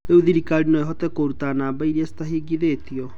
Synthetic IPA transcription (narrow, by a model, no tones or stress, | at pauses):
euðiɾikaɾinɔeɦɔtɛkoɾutanaːbaiɾiɛsi̥taɦiːɡiðetiɔ